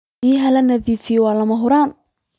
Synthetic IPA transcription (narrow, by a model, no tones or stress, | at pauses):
iːɦɐlɐnɐðifiːwaːlɐmɐɦʊɾaːn